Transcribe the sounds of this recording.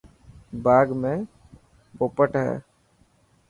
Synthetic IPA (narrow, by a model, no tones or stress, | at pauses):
baːɡmẽː | boːpəʈɦɛ̰ː